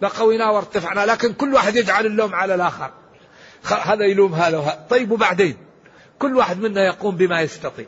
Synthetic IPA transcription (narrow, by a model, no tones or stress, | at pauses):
laqawijnaːwɑɾˤt̪ːafɪʕnalaːkɪnkʊlːwaːħɪd̪jɪd͡ʒʕalɪlːoːmʕalalʔaːxɑ̰ɾ | xaɦaːðajluːmɦaːðawɦat̪ˤɑjːɪbwbaʕd̪eːn | kʊlːwaːħɪd̪mɪnːajɑquːmbɪmajɪst̪ɑt̪ˤḭːʕ